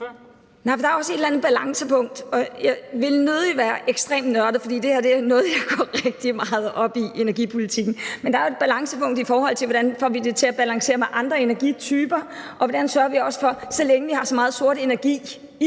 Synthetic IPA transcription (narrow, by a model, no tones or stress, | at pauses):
nɑ̈ɪfd̥ɑ̈æɐɒ̽səe̝d̥lænð̩ˠb̥ælɑ̈ŋsəpʰɔ̽ŋ̰d̥ɒ̽jɑɪʋe̝lnøð̩ˠiʋæːɐʔeɡ̥sd̥ʁɛ̰ːmd̥nɶɐɾ̥ð̩ˠfɒ̽d̥ḭːd̥e̝hæɐd̥e̝ænɔ̽ːð̩ˠjɑ̈ɪɡ̥ɒ̰ʁeɡ̥̚d̥imɑ̈ːð̞̩ˠʔɒ̽b̥iʔe̝næɐɡipʰo̝lit͡sʰiɡ̥n̩mend̥ɑ̈æe̝d̚b̥ælɑ̈ŋsəpʰɔ̽ŋ̰d̥ifɒːhɒ̽l̰t͡sʰe̝ʋɒd̥ænfɒ̰ːʋid̥e̝t͡sʰe̝læb̥ælɑ̈ŋse̝̰ːɐmeʔɑ̈nd̥ʁɐe̝næɐɡ̥it͡sʰyːb̥ɐʔɒ̽ʋɒd̥ænsɶːɐʋiɒ̽sə̥fɒ̽sɒleŋəʋihɑ̈sɒ̽mɑ̈ːð̩ˠso̝ɐɾ̥e̝næɐɡ̥ḭː